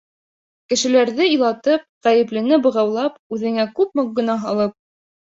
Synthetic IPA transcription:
kɘ̆ʃɘ̆læɾðɘilˠɑt̪ɤp̚ʁæjɘ̆plɘ̆nɘbɤ̆ʁɑwlˠɑpʉðɘ̆ŋækʉp̚moɡɵ̆nɑɦɑlˠɤp̚

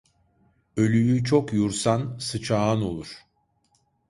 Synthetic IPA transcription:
ø̞lʲyjyt͡ʃʰokjuɾsansɯt͡ʃʰaːno̞̰lˠuɾ̥

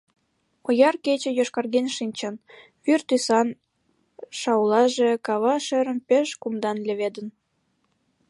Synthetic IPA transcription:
ojɑrket͡ɕĕjoʃkɑrɣenʃinʲt͡ɕən | βyrt̪ysɑn | ʃɑwlɑʒekɑβɑʃĕɾə̆mpeʃkumd̪ɑnlʲĕβed̪ən

